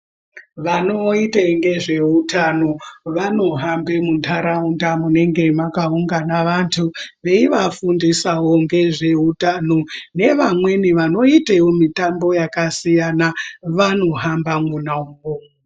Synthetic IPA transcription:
ʋano̞iteŋɡe̞ʐe̞utʰano̞ʋano̞ɦambe̞muntʰaɾaundamune̞ŋɡe̞makauŋɡanaʋantʰuʋe̞iʋafundisawoŋɡe̞ʐe̞utanone̞ʋamwe̞niʋano̞itewomitambo̞jakasijanaʋano̞ɦambamunauŋɡo

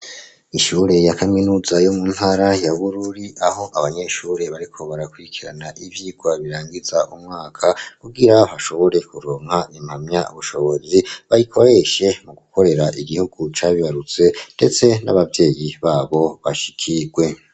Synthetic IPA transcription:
iʃuːɾe̞jakaminuːzajo̞mun̥haɾajaβuɾuɾiaho̞ʔaβaɲe̞ʃuːɾe̞βaɾikʰo̞βaɾakwuɾikʰiɾa̰naʔiβjiːɡ̥waβiɾaːŋɡizaʔumŋaːkʰakuɡiɾaβaʃo̞βo̞ɾe̞kuɾoːŋ̥haimhamɲaṵβuʃo̞βo̞ziβaɾikʰo̞ɾe̞ʃe̞muɡukʰo̞ɾe̞ɾaʔiɡihuɡut͡ʃaβiβaɾut͡se̞nde̞t͡se̞na̰βavje̞ːjiβaːβo̞βaʃi̥kʰiɡwe̞

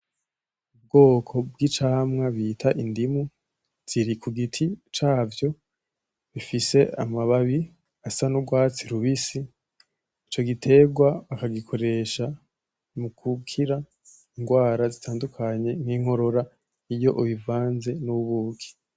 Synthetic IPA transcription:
ub̚ɡo̞ːkʰo̞bɡit͡ʃaːmŋaβitʰaʔindimu | z̥iɾikʰuɡitʰit͡ʃaːvjo̞ | βifise̞amaβaβi | asanubɡwaːt͡siɾuβisi | it͡ʃo̞ɡitʰe̞ɡwaβakaɡikʰo̞ɾe̞ʃa | mukʰukʰiɾa | iŋɡwaːɾazitʰaːndukʰaɲe̞ŋ̥hiːŋ̥ho̞ɾo̞ɾa | ijo̞ʔuβivaːnze̞nuβuːkʰi̥

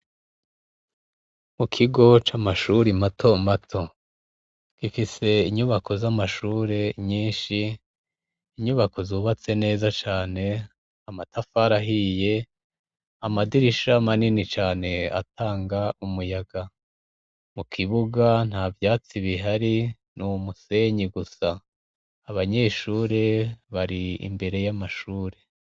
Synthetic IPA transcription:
mukʰiɡo̞t͡ʃamaʃuɾimatʰo̞matʰo̞ | kifise̞iɲuβakʰo̞zamaʃuːɾe̞ɲiːnʃi | ɲuβakʰo̞zuːβat͡se̞ne̞ːzat͡ʃaːne̞ | amatafaɾaɦije̞ | amadiɾiʃamaninit͡ʃaːne̞a̰tʰaːŋɡaumujaɡa | mukʰiβuɡan̥haːvjaːt͡siβiɦaɾi | numuse̞ɲiɡusaː | βaɲe̞ʃuːɾe̞βaɾiḭmbe̞ɾe̞jamaʃuːɾe̞

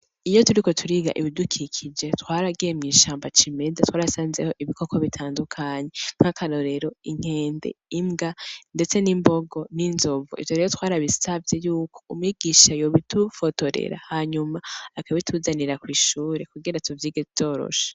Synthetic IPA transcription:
ijo̞tuɾiko̞tʰuɾiːɡa̰ʔiβidukʰikʰid͡ʒe̞twaːɾaɡijemɲiːʃaːmbat͡ʃime̞zatwaːɾasaːnzeho̞ʔiβiko̞kʰo̞βitʰaːndukʰaːɲe̞ŋ̥hakʰaɾo̞ɾe̞ɾo̞iŋ̥e̞ːnde̞̰imɡande̞t͡se̞nimbo̞ɡo̞ninzo̞vṵʔḭvjo̞ɾeːɾotwaːɾaβisavje̞juːkʰo̞̥umŋiɡiʃajoβitufotoɾḛɾa̰haɲumaakaβitʰuzaniɾakwiːʃuːɾe̞kuɡiɾatuvjiːɡeto̞ːɾo̞̰ʃe̥

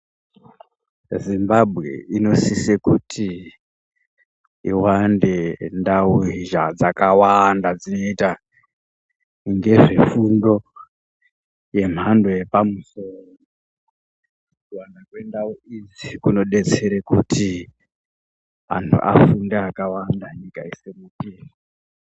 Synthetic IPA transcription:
zimbabʱɣe̞̰ino̞sisekutʰi | iwande̞ndauiʒad͡zakawandad͡zino̞ita | ŋɡe̞ʐe̞fundo̞ | je̞m̤andojepamusoro | wanakwe̞ndauizikuno̞ɗe̞t͡se̞ɾekutʰi | ʋa̰ntʰṵʔa̰fundeakawandaɲikaisemupiːri

